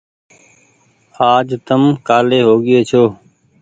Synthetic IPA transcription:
aːd͡ʒt̪əmkaːleːɦoːɠɪeːt͡ʃʰoː

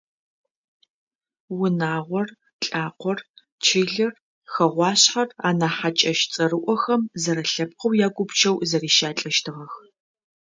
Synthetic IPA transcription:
wʊnaːʁʷɔr | ɬʼaːqʷɔr | t͡ʃʰiːɮɐr | xɐʁʷɑːɕħara̰ːnaːħat͡ʃʼɐʃt͡sʼɐrɨʔʷɔxɐmzɐɾɐɬɐp̚qɐwjaːɡʷʊpt͡ʃʰɐwzɐriːʃaːt͡ɬʼɐʃtʰɨʁɐx

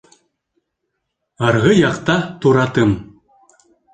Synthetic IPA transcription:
ɑɾʁɤjɑqt̪ɑt̪uɾɑt̪ɯm

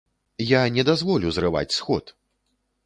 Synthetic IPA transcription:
janʲɛd̪azvɔlʲuzrɨva̰t͡sʲsxɔt̪

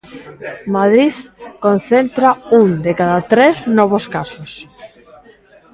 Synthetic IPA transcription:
maðɾiðkonθent̪ɾauŋd̪ekaðat̪ɾeznɔβ̞oskasos

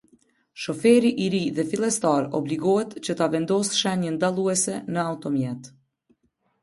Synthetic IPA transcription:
ʃɔfɛɾiʔiɾiðɛfilˠɛst̪aɾɔbliɡɔɦɛt̪t͡ɕət̪avɛnd̪ɔsʃɛnənd̪alˠuɛsɛnəaut̪ɔmjɛt̪

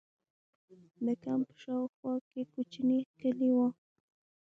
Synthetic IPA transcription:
d̪əkampə̥ʃɑwxwɑkekot͡ʃnikəliwo

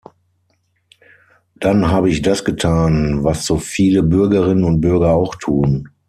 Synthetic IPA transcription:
d̥anɦaːbəɪçd̥asɡ̥ətʰaːnvasz̥oːfiːləbʏɐɡɐʁɪnənʊnt̚b̥ʏɐɡɐaʊxtʰuːn

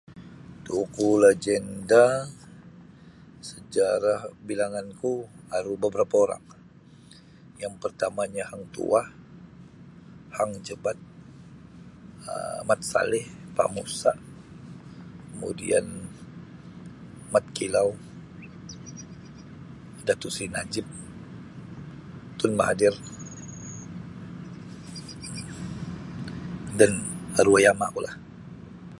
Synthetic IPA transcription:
t̪ukulad͡ʒɛnda | səd͡ʒaɾahbilaŋanku | haɾubəbəɾapaoɾa̰ŋ | jaŋpərt̪amaɲahaŋt̪ṵah | haŋd͡ʒəbat̪̚ | ə̰mat̪̚sa̰lɪhpa̰ʔmusaʔ | kəmṵdḭan | mat̪̚kilaw | dat̪usinad͡ʒɪp̚ | t̪ʊnmaɦadɪr | danaɾuajamaʔkolah

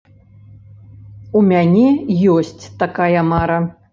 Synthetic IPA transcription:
umʲanʲɛjɔsʲt͡sʲt̪akajɐmaɾɐ

